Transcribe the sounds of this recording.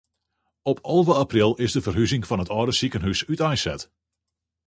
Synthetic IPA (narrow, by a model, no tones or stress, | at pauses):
ɔpʰɔlˠvəaprɪlˠɪzdəvərɦyzɪŋfɑnətɔːdəsikənɦysytɛjsɛt